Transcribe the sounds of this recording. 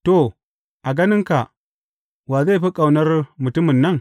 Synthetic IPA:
to˨ | a˨ɡa˦ni˦ŋka˨ | wa˨za˦˨pa˦kʼa˨wna˦ɾmu˨tu˦mu˨nːa˦˨ŋ

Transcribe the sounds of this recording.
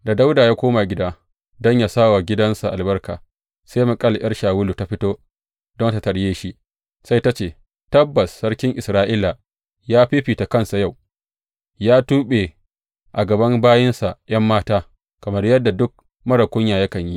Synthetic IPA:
da˨da˦wdaː˨jaː˦kʷoː˦ma˨ɡʲɪ˦daː˦ | dɔ˦ɲja˨saː˦wa˨ɡʲɪ˦dɐ˦nsa˨ʔa˨lbɐ˦rka̰ː˨ | sa˦ma˨kʼɐ˦˨ljɐ˦ɽʃaː˨wʊ˦lu˨ta˨ɸɪ˦toː˦ | dɔ˦nta˨tɐ˨ɽjeː˦ʃi˦ʔ | sa˦jta˦t͡ʃeː˨ | tɐ˦bːɐ˨sːɐ˦ɽkʲɪ˦ŋʔɪ˨sɾaː˦ʔɪː˦la˨ | jaː˦ɸiː˦ɸiː˨ta˨kɐ˦˨nsa˨ja˦˨w | jaː˦tuː˦ɓe˨ | ʔa˨ɡɐ˨bɐ˦mbaː˦jɐ˦nsa˨ʔjɐ˦mːaː˦taː˦ | kɐ˨mɐ˦rjɐ˦dːa˨dʊ˦k̚ | mɐ˦ɽɐ˨kʷʊ˦ɲjaː˨jɐ˦kɐ˨ɲji˦

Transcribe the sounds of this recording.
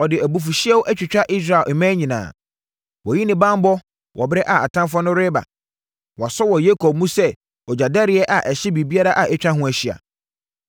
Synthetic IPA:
ɔ˨dɪ˨æ˨bu˨f̬u˨ɕi˦ɛ˦wʔæ˦t͡ɕᶣɪ˨t͡ɕᶣa˦ʔi˦s̬ɾa˨mɛ̃ː˦ɲĩ˨nã̰ː˨ | wɔ˨ji˦nɪ̃˦bã˦m˦bɔ˦ | wʔɔ˨bɛ˦ʔa˨a˨tʰã˦mfɔ˦nʊ̃˦ɾɪ˦ba̰˨ | wɔ˨sɔ˦wɔ˨je˦kʰo˨b̚mũ˦sɛ˦ | ɔ˨d͡ʑa˨dɛ˦ɾɪ˨˦ɛ˦ʔa˨ʔɛ˨ɕɪ˦bi˨bi˦a˦ɾa˦ʔa˨ʔɛ˦t͡ɕᶣɾa˦ɦʊ̃˦æ˨ɕi˨a̰˨

